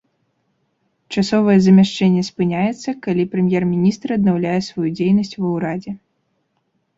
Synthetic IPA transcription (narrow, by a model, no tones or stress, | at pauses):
t͡ʂasɔvɐjɛzɐmʲaʂt͡ʂɛnʲːɛspɨnʲajɛt̪sːɐkalʲipɾɛmʲjɛrmʲinʲist̪rɐd̪nawlʲajɛsvɔjud͡zʲejnɐsʲt͡sʲvɐwɾad͡zʲɛ